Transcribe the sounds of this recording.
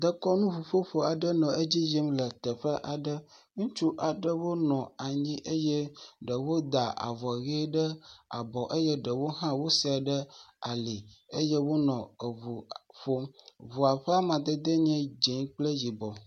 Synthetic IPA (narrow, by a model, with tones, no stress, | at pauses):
d̪ə˦kɔ˦nũ˦vu˨ɸo˦ɸo˦a˨ɖə˦nɔ̃˨ʔe˦d͡ʑi˦ji˦mlə˨t̪ə˨ɸə˦ʔa˨ɖə˦ | ŋũ˦t͡ʃu˦ʔa˨ɖə˦wo˦nɔ̃˨a˨ɲĩ˦ʔə˦je˦ɖə˨wo˦d̪a˨a̰˨vɔ˨ɣe˦ɖə˦a̰˨bɔ˨ʔe˦je˦ɖə˨wo˦ɦã˦wo˦sɛ˨ɖə˦a˨li˨ə˦je˦wo˦nɔ̃˨ə˨βu˨ɸo˦mvu˨a˨ɸɛ˦a˦mã˨d̪ə˨d̪ə˦ɲɛ̃˦d͡ʒe˨˦ɲ˦k͡plə˦ji˨bɔ˨